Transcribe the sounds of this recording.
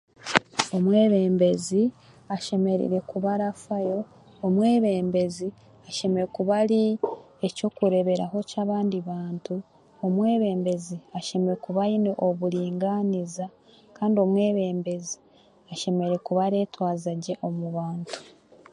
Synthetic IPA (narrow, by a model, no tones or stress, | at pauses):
o̞mwe̞ːβe̞ːmbe̞zi | aʃe̞me̞ɾḭɾe̞kuβaɾafajo̞ː | mwe̞ːβe̞ːmbe̞zi | aʃe̞me̞ɾekuβaɾi | eco̞kuɾe̞βe̞ɾa̰ɦo̞caːβaːndiβaːntu | omwe̞ːβe̞ːmbe̞ziaʃe̞meɾekuβainoʔoβuɾiːŋɡaniza | kaːndio̞mwe̞ːβe̞ːmbe̞zi | aʃe̞me̞ɾe̞kuβaɾe̞ːtwaːzaɟe̞ʔo̞muβaːntu̥